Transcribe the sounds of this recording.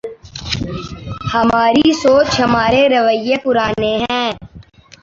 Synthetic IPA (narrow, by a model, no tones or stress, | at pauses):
hɐmaːɾisoːt͡ʃɦɐmaːɾeɾɐʋəjepʊɾaːneɦɛ̃ː